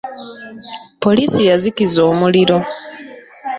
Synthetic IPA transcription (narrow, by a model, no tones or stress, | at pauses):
po̞liːsijazikizo̞ːmuliɾo̞